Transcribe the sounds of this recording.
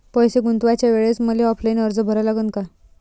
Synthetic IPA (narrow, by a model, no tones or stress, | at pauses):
pəjseɡunt̪ʋat͡ɕjaʋeɭet͡sməleɔpʰləinəɾd͡zəbʱəɾalaɡənka